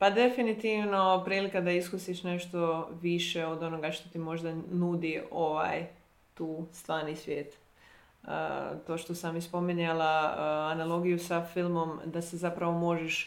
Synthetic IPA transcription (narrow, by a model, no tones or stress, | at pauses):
pad̪e̞finit̪iʋno̞pɾiːlikad̪aiskusiʃne̞ʃt̪o̞ʋiʃeod̪o̞no̞ɡaʃt̪o̞t̪imo̞ʒd̪anud̪ioʋa̰j | t̪uːst̪ʋaːɾnisʋje̞ːt̪ | ə̰t̪o̞ːʃt̪o̞samːispo̞miɲalaanalˠo̞ɡijusafilˠmo̞md̪asezapɾaʋo̞mo̞ʒeʃ